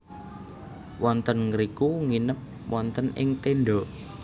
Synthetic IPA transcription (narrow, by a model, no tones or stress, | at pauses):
wɔnt̪ənŋəɾikuŋinəp̚ | wɔnt̪ənɪ̰ŋt̪eɳɖɔʔ